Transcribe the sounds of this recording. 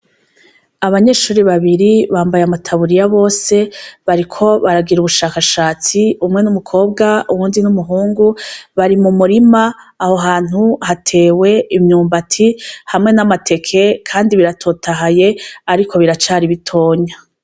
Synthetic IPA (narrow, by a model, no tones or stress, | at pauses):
aβaɲe̞ːʃuːɾiβaβiɾiβaːmbajamatʰaβuɾijaβo̞ːse̞βaɾikʰo̞βaɾaɡiɾuβuʃaːkaʃaːt͡siumŋe̞numukʰo̞ːb̚ɡauwuːndinumuɦuːŋɡuβaɾimumuɾimaːho̞ɦaːn̥uhatʰe̞ːwe̞imɲuːmbatʰihamŋe̞namatʰe̞kʰe̞kʰaːndiβiɾatʰo̞ːtʰaɦajeaɾikʰo̞βiɾat͡ʃaːɾiβitʰo̞ːɲa